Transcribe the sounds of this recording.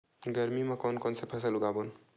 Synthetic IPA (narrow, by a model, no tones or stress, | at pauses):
ɡəɾmimakɔnkɔnsepʰəs̬əluɡabon